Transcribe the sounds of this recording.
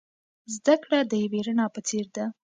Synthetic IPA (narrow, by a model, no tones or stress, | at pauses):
zd̪akɽad̪əjaweɾənɑpət͡seɾd̪a